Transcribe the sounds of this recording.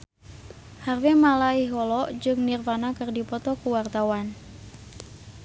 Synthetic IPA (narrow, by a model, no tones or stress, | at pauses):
harwɛmalaiɦɔlɔʔd͡ʒɨŋnirpanakɨrdipɔt̪ɔkuwart̪awan